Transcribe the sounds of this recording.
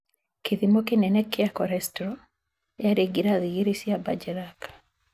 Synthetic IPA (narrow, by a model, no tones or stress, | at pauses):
kɪðimɔkɪnɛnɛkːɪakɔɾɛstɾɔ | jaɾeɡiɾaðiɣiɾisiabad͡ʒɛɾakḁ